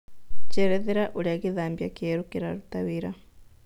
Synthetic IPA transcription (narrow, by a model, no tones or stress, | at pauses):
t͡ʃɛɾɛðɛɾaʔuliaɣiðambjakiɛɾukiɾaɾutawiɾa